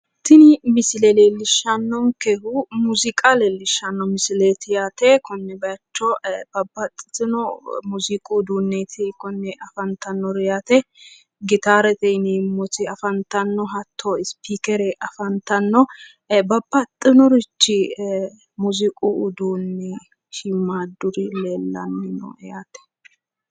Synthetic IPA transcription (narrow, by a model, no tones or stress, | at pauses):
t̪ɪnɪmɪsɪlɛleːlːɪʃːɐnːɔŋkɛhumuzɪkʼaleːlːɪʃːɐnːɔmɪsɪleːt̪ɪjat̪ɛkʰɔnːɛbɐt͡ʃːɔb̥ɐbːɐt̪ʼːɪ̥t̪ɪnɔmʊzɪkʼud̪uːnːet̪ʰɛkɔnːɛʔɐfɐnt̪ʰɐnːɔɾɪjat̪ɛ | ɡɪt̪aːɾɛt̪ɛniːmːɔt̪ɪɐfɐnt̪ɐnːɔɦɐt̪ʰːoɪspiːkɛɾɛʔɐfɐnt̪ɐnːɔ | bɐbːɐt̪ʼːɪnɔɾɪt͡ʃːɪ | mʊzɪkʼuʊd̪uːnːɛ | ʃɪmːaːd̪ʊɾɪleːlːɐ̰nːɪnɔ̰ɛjat̪ɛ̥